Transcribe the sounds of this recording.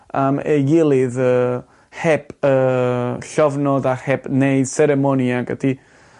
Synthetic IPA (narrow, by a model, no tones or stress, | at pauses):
aməjɪlˠɨðəː | hɛbəɬɔvnɔðahɛbneɨð̥sɛɾɛmɔnjaɡə̰d̥i